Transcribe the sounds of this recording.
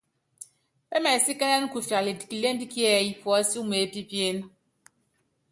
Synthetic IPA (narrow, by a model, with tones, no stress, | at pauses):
pɛ˦mɛ˨si˦kɛ˦nɛ˦n˦ku˨fa˨li˨di˨ki˨le˦n˦di˦ki˦ɛ˦˨i˨fwɔ˨˦si˦u˦me˨˦˨pi˦pje˦n˦